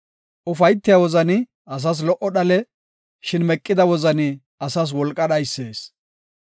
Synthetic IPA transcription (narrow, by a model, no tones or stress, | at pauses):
ʔʊfɐjt̪ːɪjɐwɔzɐnɪ | ɐs̬ɐs̬lɔʔɔɗɐlɛ | ʃɪnmɛkʼːɪd̪ɐwɔzɐnɪ | ɐsɐs̬wɔlkʼːɐɗ̪ɐjsːe̞ːs